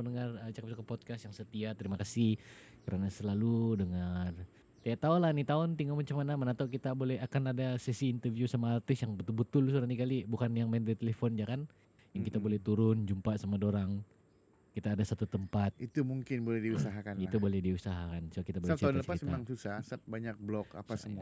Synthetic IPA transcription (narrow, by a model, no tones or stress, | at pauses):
ənəŋarət͡ʃakap̚sukapɔt̪̚kasjaŋsət̪iat̪əɾimakasihkəɾʔanasəlaludəŋər | t̪ajaʔt̪aolahnit̪aʊnt̪iŋamat͡ʃamanamanat̪awkit̪abolɛɦakanadasɛsiːnt̪ərviusamaːt̪ʊsjaŋbət̪ʊlbət̪ʊls̬uɾanikalibukanjaŋmandait̪elefɔnd͡ʒakan | jaŋkit̪abolɛht̪uɾʊnd͡ʒumpasamadoɾaŋ | kit̪aːdasat̪ut̪əmpat̪̚it̪umuŋkɪnbolɛhdiusaɦakanit̪ubolɛhdiusaɦakansakit̪abolɛaaʊnlət͡ʃpaismemaŋsusasat̪̚baɲak̚blɔka̰pasəmua